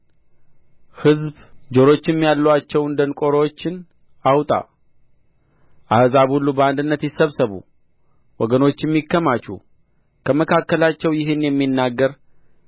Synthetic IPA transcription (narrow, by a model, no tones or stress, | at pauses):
hɨzb | d͡ʒoɾo̞t͡ʃːɪmːijalːəwat͡ʃːɛwɨnd̪ənkʼo̞ɾəwot͡ʃːɪn | awt̪ʼa̰ | ʔahzaβhulːubəand̪ɨnːət̪jɪsəβsəβṵ | wɔɡəno̞t͡ʃːjɛmːikːəmat͡ʃṵ | kʰəməkʰakːəlat͡ʃːɛwjɪɦɨnjɛmːinːaɡːəɾ